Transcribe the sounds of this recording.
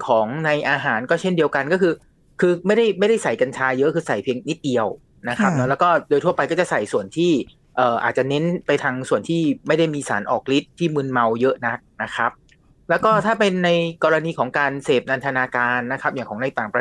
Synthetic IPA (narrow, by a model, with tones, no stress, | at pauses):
kʰɔː˩˦ŋna˧jʔaː˧ɦaː˩˦nkɔː˥˩t͡ɕʰe˥˩ndi˧əwka˧nkɔː˥˩kʰɯː˧ | kʰɯː˧ma˥˩jda˥˩jma˥˩jda˥˩jsa˨˩jka˧nt͡ɕʰaː˧jɤ˦˥ʔkʰɯː˧sa˨˩jpʰi˧əŋni˦˥t̪̚di˧əw | na˦˥kʰa˦˥p̚nɔ˦˥lɛː˦˥wkɔː˥˩doː˧t̪ʰu˥˩ɐpa˧jkɔː˥˩t͡ɕa˨˩sa˨˩jsu˨˩ənt̪ʰiː˥˩ | ʔɤː˨˩ʔa̰ː˨˩t̪̚t͡ɕa˨˩ne˦˥npa˧jt̪ʰa˧ŋsu˨˩ənt̪ʰiː˥˩ma˥˩jda˥˩jmiː˧sa̰ː˩˦nʔɔ̰ː˨˩k̚li˦˥t̪ʰːiː˥˩mɯ˧nma˧wjɤ˦˥ʔna˦˥k̚na˦˥kʰa˦˥p̚ | lɛː˦˥wkɔː˥˩t̪ʰaː˥˩pe˧nːa˧jkɔː˧ɾa˧niː˧kʰɔː˩˦ŋkaː˧nseː˨˩p̚na˧nt̪ʰa˧naː˧kaː˧nːa˦˥kʰa˦˥p̚jaː˨˩ŋkʰɔː˩˦ŋna˧jt̪aː˨˩ŋpɾa˧